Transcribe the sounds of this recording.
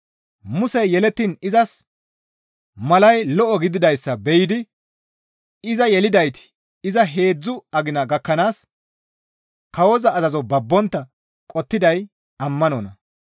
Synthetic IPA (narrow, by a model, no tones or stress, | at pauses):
mʊsɛjjɛlɛt̪ːinɪzɐs | mɐlɐjlɔʔɔɡɪd̪ɪd̪ɐjsːɐbɛjɪd̪ɪ | ɪzɐjɛlɪd̪ɐjt̪ɪ̥ | ɪzɐɦe̞ːd͡zːʊɐɡɪnɐɡɐkːɐnaːs | kɐwɔzɐːzɐzɔbɐbːɔnt̪ːɐ | kʼɔt̪ːɪd̪ɐj | ɐmːɐnɔ̰ːnɐ